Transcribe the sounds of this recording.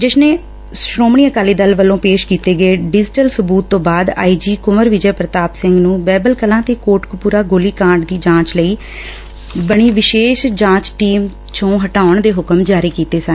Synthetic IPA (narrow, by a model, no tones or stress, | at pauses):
d͡ʒɪsneː | sɾoːmɳiːəkaːliːd̪əlʋəlːõːpeːʃkiːt̪eːɡəeːɖɪd͡ʒʈəlsʊbuːt̪ːõːbaːd̪a̰ːiːd͡ʒiːkʊməɾʋɪd͡ʒɛːpɾət̪aːpsɪ̃ŋɡnũːbɛːbəlkəlãːt̪eːkoːʈkpuːɾaːɡoːliːkãːɳɖd̪iːd͡ʒãːt͡ʃləiː | bəɽ̃iːʋɪʃeːʃd͡ʒãːt͡ʃʈiːm | t͡ʃõːɦəʈaːʊɳd̪eːɦʊkəmd͡ʒaːɾiːkiːt̪eːsən